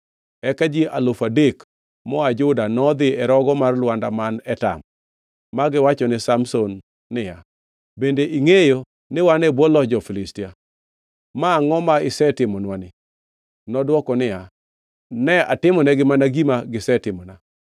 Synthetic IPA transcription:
ɛkad͡ʒiʔalʊfadek | mɔad͡ʒʊdanɔd̪ɪɛɾɔɡɔmarlwandamanɛta̰mː | aɡɪwat͡ʃɔnɪsamsonː | ɪja | bendeʔiŋejo | nɪwanɛbwɔlɔd͡ʒɔfɪlɪstia | maŋɔmaɪsɛtɪmɔnwanɪ | nɔdwɔkɔnɪja | nɛa̰tɪmɔnɛɡɪmanaɡimaɡɪsɛtɪmɔna

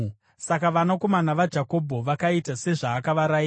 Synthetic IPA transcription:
sakaʋanako̞manaʋad͡ʒʱako̞bʱoʋakaitase̞ʐaːkaʋaɾai

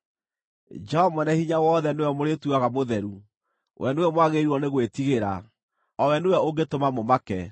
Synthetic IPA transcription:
d͡ʒɛɔmɔnɛhiɲawɔːðɛnewɛmoɾetuaɣamoðɛɾu | wʔɛ̰newɛmwaɣeɾuɔneɣwetiɣeɾa̰ | ɔwɛnejɛoɡetomamomakɛ

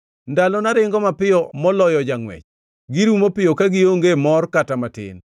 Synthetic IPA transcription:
ndalɔnaɾɪŋɡɔmapɪjɔmɔlɔjɔd͡ʒaŋwɛ̰t͡ʃ | ɡɪɾumopɪjokaɡɪoŋɡemɔrkatamatɪ̰n

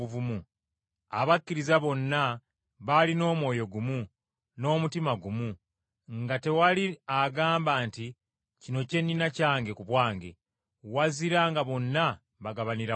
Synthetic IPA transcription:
uvumu | a̰βakːiɾizaβo̞nːa | βalino̞ːmwo̞ːjo̞ɡumu | no̞ːmutimaɡumu | ŋɡate̞waliaɡaːmbaːnti | cino̞ce̞nːinacaːŋɡe̞kuβwaːŋɡe̞̰ | waziɾaŋɡaβo̞nːa | βaɡaβaniɾa

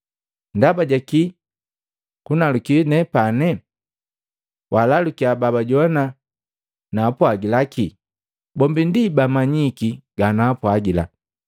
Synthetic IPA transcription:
ndabaɟaki | kunalukinɛpanɛ | wʔalalukiababaɟɔna | naːpwaɡilakʰi | bɔmbindibamaɲikiɡ̥anaːpwaɡila̰

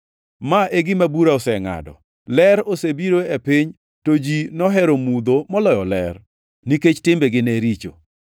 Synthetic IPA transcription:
maʔeɡɪmabuɾaɔsɛŋa̰dɔ̰ | lɛɾosebiɾoepɪɲ | tod͡ʒinɔɦɛɾomud̪omɔlɔjɔlɛ̰r | niket͡ʃtɪmbeɡɪneɾit͡ʃo̰

